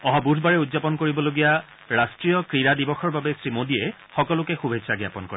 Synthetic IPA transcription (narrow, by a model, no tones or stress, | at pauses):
ɔɦabudʰʱbaɹɛudzapɔnkoɹibɔloɡija | ɹastɹijɔkɹiɹadibɔxɔɹbabɛsɹimodiɛ | xɔkɔlʊkɛxubʱesaɡja̰pɔnkɔɹɛ